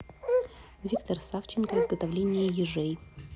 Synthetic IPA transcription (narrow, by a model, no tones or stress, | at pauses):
vʲikt̪ɐrsaft͡ɕɪnkəɪzɡət̪ɐvlʲenʲɪjəjɪʐɛj